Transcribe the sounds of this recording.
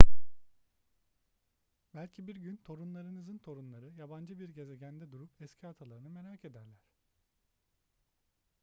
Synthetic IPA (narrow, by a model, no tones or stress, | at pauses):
bælʲcʰibiɾɟynt̪ʰo̞ɾunlˠaɾɯnɯzɯnt̪ʰo̞ɾunlˠaɾɯjaband͡ʒɯbiɾɟe̞zeɟænd̪ɛd̪uɾupɛscʰiat̪ʰalˠaɾɯnɯme̞ɾaːkʰe̞d̪æɾlʲæɾ̥